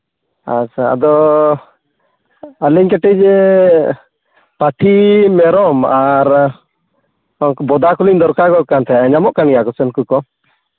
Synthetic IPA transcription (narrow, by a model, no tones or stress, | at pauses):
at͡ʃʰaa̰d̪ɔ | əliɲkɛʈɛd͡ʒɛ | pat̪ʰimɛɾɔmaɾ | bɔd̪akuliɲd̪ɔɾkakɔkant̪ʰɛaɛɲamɔʔkanijakɔsɛnkukɔ